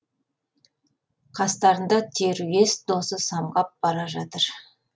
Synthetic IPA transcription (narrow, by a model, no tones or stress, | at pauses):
qʰɑst̪ɑɾənd̪ɑt̪ʰe̞ɾue̞sd̪o̞səsɑmʁɑp̚b̥ɑɾɑʒɑt̪əɾ